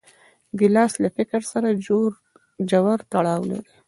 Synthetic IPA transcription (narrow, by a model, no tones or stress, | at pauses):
ɡɪlɑslafɪkɾsaɾao | d͡ʒawaɾt̪aɽɑwla̰ɾi